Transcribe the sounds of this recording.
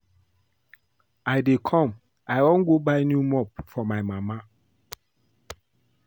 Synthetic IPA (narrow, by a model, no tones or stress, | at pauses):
ajdekʰɔ̃m | ajɔ̃nɡobaɪnjumɔp̚fɔmajmama